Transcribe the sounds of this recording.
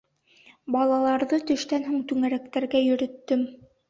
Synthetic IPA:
bɑlˠɑlˠɑɾðɤt̪ɵ̆ʃt̪ænɦuɴt̪ʉŋæɾæk̚t̪æɾɡæjɵ̆ɾɵ̆t̪ːɵm

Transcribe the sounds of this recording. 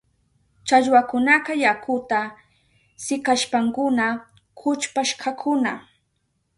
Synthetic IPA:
t͡ʃaʎwakʊnakajakʰʊt̪a | sɪkaʃpaŋkʊna | kʰʊt͡ʃpaʃkʰakʰʊna

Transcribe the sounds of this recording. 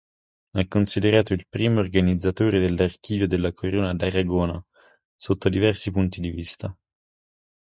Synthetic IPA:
akːonsid̪eɾaːt̪oilpɾiːmoːrɡanid̪zːat̪oːɾed̪elːark̟iːvjod̪elːakʰoɾoːnad̪aɾaɡoːna | sot̪ːod̪ivɛrsipunt̪id̪ivist̪a

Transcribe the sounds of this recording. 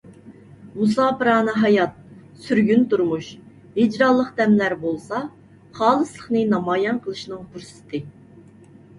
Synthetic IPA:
musɑːpɨɾɑːnɨɦɑjɑt̪̚syɾɡʲynt̪uɾmuʃ | id͡ʒɾɑlˠːəqd̪ɛmlæɾbolˠsɑ | χɑːlˠɨslˠəχnɨnɑmɑːjɑnqʰəlˠɨʃnɨŋpʰuɾsɪ̥t̪ʰɨ

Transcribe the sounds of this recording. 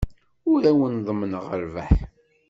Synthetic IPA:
ʊɾæwənðˤmənəʁəɾvæħ

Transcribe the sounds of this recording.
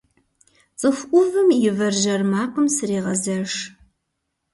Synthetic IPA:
t͡sʼɨxʷʔʷʊvɨmjɪvɐrʒɐrmaːqəmsɨriːʁɐzɐʂ

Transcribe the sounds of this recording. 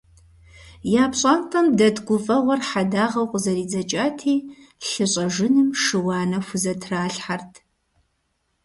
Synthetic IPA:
jaːpɕʼɐntʰʼɐmdɐdɡʷʊfʼɐʁʷɔrħadaːʁɐwqʷʊzɐɾiːd͡zɐt͡ʃʼaːtʰiː | ɬɨɕʼɐʒɨnɨmʂɨwɑːnɐxʷʊzɐtʰraːɬħartʰ

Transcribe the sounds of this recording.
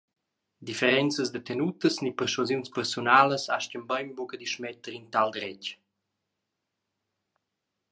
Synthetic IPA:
d̪ifeɾɛnt͡səzd̪ət̪ɛnut̪əsnipəɾsɔzjunspɛrsunaləsaʃcəmbajmbukəd̪iʃmɛt̪əɾint̪ald̪ɾɛc

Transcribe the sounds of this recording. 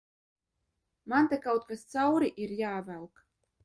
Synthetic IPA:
mant̪ʲekawt̪kast̪sawɾiʔiɾjaːvælˠk

